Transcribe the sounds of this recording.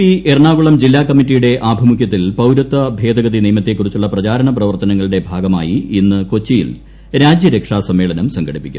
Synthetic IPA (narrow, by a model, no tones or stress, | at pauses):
iʔerɳaːɡuɭɐmd͡ʑilːaːkːɐmːitːijuɽe̞ʔaːbʱɐmukʰjɐt̪ːilpɐwɾɐt̪ːɐbʱe̞ːd̪ɐɡɐðinijmɐt̪ːekːurit͡ɕːuɭːɐprɐd͡ʑaːɾɐɳɐprɐʋɐrt̪ɐnɐŋːɐɭiɽe̞bʱaːɡɐma̰ːjiinːɨko̞t͡ɕːijḭl | ɾaːd͡ʑjɐɾekʂaːsɐmːe̞ːɭɐnɐmsɐŋɡʱɐɽipːikʲːum